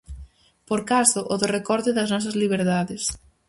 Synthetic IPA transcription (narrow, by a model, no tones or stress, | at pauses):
poɾkasʊʔoðorekɔɾt̪ɪðɐznɔs̬ɐzliβ̞eɾðaðɪs